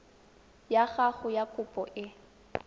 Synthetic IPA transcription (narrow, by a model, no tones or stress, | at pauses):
jaɣaχʊjakʼʊpʼɔʔɪ